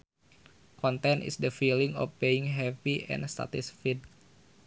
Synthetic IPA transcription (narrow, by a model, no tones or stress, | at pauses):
kɔnt̪ɛnʔḭsdəfiliŋɔ̰fbeiŋɦɛviʔɛ̰̃nst̪a̰t̪isfit̪̚